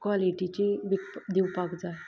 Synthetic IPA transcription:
kʋaliʈit͡ɕiʋid̪iwpakd͡za

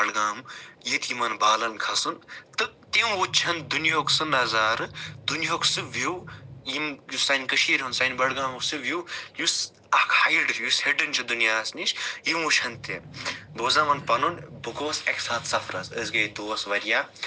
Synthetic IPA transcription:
bɐɽɡaːmjit̪jimɐnbaːlɐnkʰɐsɨnt̪ɨt̪imut͡ʃʰɐnd̪unjoːksɨnɐzaːɾɨd̪unjoksɨʋiwjimjusɐnʲkɨʃʰiːɾʲɦunsɐnʲbɐɽɡaːmsɨʋʲiwjus | ɐkʰhɐjɖɨjusheɖɨnʲt͡ʃʰid̪unjaːsnit͡ʃjimut͡ʃʰɐnt̪emb̪oːzamɐnpɐnunbɨkoːseksaːt̪sɐpʰɾɐsəzɡɐjd̪oːsʋɐɾʲjaː

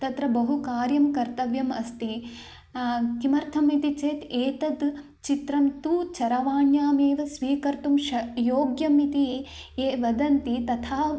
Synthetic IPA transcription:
t̪ɐt̪ɾɐbɐɦukaːɾjɐmkɐɾt̪ɐʋjɐmɐst̪i | kimɐɾt̪ʰɐmit̪it͡ʃeːt̪eːt̪ɐd̪ | t͡ʃit̪ɾɐmt̪ut͡ʃɐɾɐʋaːɳjaːmeːʋɐsʋiːkɐɾt̪umʃɐjoːɡjɐmit̪i | eːʋɐd̪ɐnt̪it̪ɐt̪ʰaː

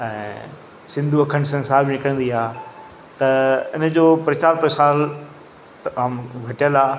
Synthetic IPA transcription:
ɛ̰̃ː | sɪ̃nd̪ʱuɐkʰəñsɐ̃nsaːbɪnɪkəɽ̃nd̪iaː | t̪ɐɪ̰nd͡ʑoːpɾɐt͡ɕaːɾpɾəsaːl | aːmɡʱɐʈijəlaː

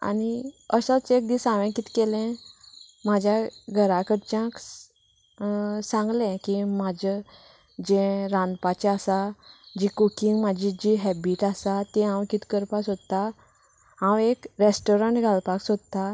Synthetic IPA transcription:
a̰niəsat͡sek̚d̪isãʋɛ̃kit̪kelɛ̃ | mad͡ʑʱjaɡʱəɾakəɾt͡ɕjãk | sãŋɡlɛ̃kimad͡ʑə | d͡ʑɛ̃ɾãnd̪pat͡ɕɛasad͡ʑikukiŋɡmad͡ʑid͡ʑiɦɛbiʈasat̪ɛ̃ɦãwkit̪kəɾpasod̪t̪ːa | ɦãwekɾesʈoɾaɳʈɡʱalpaksod̪̚t̪ːa

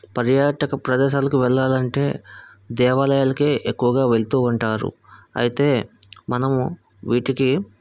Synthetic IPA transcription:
pɐɾjaːʈɐkɐpɾɐd̪ɛːʃaːlɐkuʋɛɭːaːlɐɳʈe̞ː | d̪ɛːʋaːlɐjaːlɐkeːʔekːuʋɐɡaːʋe̞ɭt̪uːuɳʈaːɾṵ | ɐ̰jit̪e̞ːmɐnɐm | ʋiːʈiki

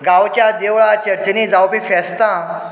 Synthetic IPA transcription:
ɡawt͡ɕjad̪eʋɭat͡ɕəɾt͡ɕəniːd͡zawpifɛst̪ã

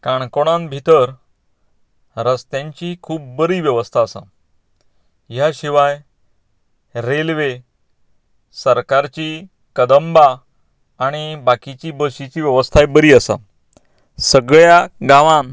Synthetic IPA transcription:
kaɳkoɽ̃ãnbʱit̪əɾ | ɾəst̪jaɲt͡ɕikʰuːb̚ːəɾiːʋjəʋəst̪ʰaːsa̰ | jaɕiʋaj | ɾelʋe | səɾkaɾt͡ɕi | kəd̪əmbaː | ɽ̃ibakit͡ɕibəɕit͡ɕiːʋjəʋəst̪ʰajbəɾiːəsa̰ | səɡɭjaɡãʋãn

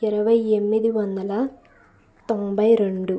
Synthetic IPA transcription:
ɛɾɐʋɐjemːid̪iʋɐnd̪ɐlɐ | t̪ombɐjɾeɳɖu

